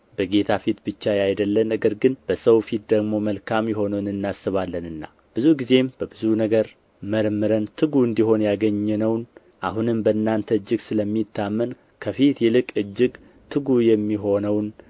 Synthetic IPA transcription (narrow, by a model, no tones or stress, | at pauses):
bəɡe̞t̪ʰafit̪bɨt͡ʃːajajd̪əlːənːəɡəɾɡɨnb̥əsəwfit̪̚d̪əɡmo̞məlkʰamjɛɦo̞nəwnɨnːasːɨβalːənɨnːa̰ | b̥ɨzuɡize̞mbəbɨzunəɡəɾ | məɾmɨɾənt̪ʰɨɡuɨnd̪iɦo̞njaɡəɲːɛnəwn | ʔaɦunɨmbəɨnːant̪ʰəɨd͡ʒːɪɡsɨləmːit̪ːamːən | kʰəfit̪jɛlɨkʼɨd͡ʒːɪɡ | t̪ʰɨɡujɛmːiɦo̞nəwn